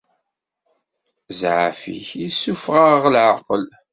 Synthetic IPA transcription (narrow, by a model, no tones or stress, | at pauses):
zʕafḭçisːufʁaʁlʕəqəl